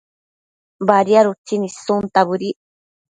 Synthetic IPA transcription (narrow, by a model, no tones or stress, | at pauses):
baɾiaɾut͡sinisunt̪aβɨɾi